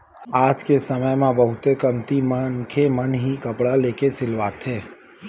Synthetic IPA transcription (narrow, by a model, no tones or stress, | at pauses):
aːd͡ʒkesɐməjmẽbɐɦʊt̪ekɐmt̪imənkʰemɐnɦikɐpɽaleːkesɪlʋaːt̪ɦeː